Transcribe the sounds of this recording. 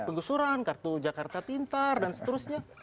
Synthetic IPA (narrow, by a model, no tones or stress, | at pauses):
pəŋɡusuɾankart̪ud͡ʒakart̪at̪int̪ardansə̥t̪əɾusɲa